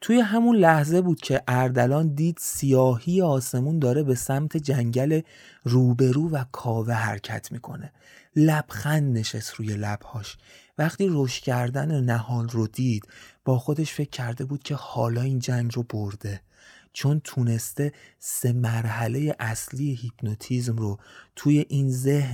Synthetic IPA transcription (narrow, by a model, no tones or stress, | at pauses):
t̪ʰuje̞ɦæmunlæhze̞buːd̪̥cʰe̞ʔæɾd̪ælɒːnd̪iːd̪̥sijɒːhijeɒːse̞mund̪ɒːɾe̞be̞sæmt̪ʰe̞d͡ʒæɲɟæle̞ | ruːbe̞ɾuːvækʰɒːve̞ɦæ̰ɾcʰæ̰t̪ʰmiːkʰo̞̰ne | læb̥xænd̪neʃest̪ɾuːje̞læb̥hɒːʃvæχt̪iːɾoʃt̪cʰæɾd̪ænenæhɒːlrod̪iːd̪̥b̥ɒːxo̞d̪e̞ʃfe̞cʰːæɾd̪e̞buːd̪̥cʰe̞hɒːlɒːiːnd͡ʒæɲɡroboɾd̪e̞ | t͡ʃʰo̞nt̪ʰune̞st̪e̞se̞mæɾɦæle̞jeʔæsliːjehipʰnot̪ʰiːzmrot̪ʰuːje̞ʔinzeh